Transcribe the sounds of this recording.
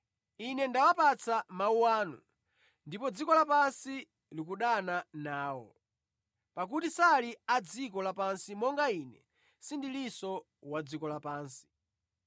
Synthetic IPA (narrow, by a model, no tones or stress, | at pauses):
inɛndawapat͡sʰamauwaːnṵ | ndipɔd͡zikɔlapansi | lik̬uɗananaːwɔ̰ | pak̬utisaliad͡zikɔlapansimɔŋɡainɛ̰ | sindilisɔ | wad͡zikɔlapaːnsi̥